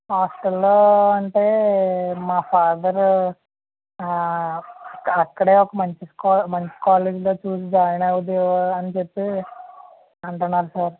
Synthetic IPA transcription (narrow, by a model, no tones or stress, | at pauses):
ɦaːsʈɐlːoːɐɳʈeːmaːpʰaːd̪ɐɾ | ɐkːɐɽeːɔkɐmɐɲt͡ʃiskːmɐɲt͡ʃi̥kaːleːd͡ʒloːt͡ʃuːsid͡ʒaːjɐnɐʋud̪iɐnt͡ʃepːi | ɐɳʈunːaːɾusaːɾ